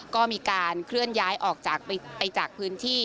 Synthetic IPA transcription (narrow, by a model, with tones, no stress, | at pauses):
kɔː˥˩miː˧kaː˧nkʰɾɯ˥˩ənjaː˦˥jʔɔː˨˩k̚t͡ɕaː˨˩k̚pa˧jt͡ɕaː˨˩k̚pʰɯː˦˥nt̪ʰiː˥˩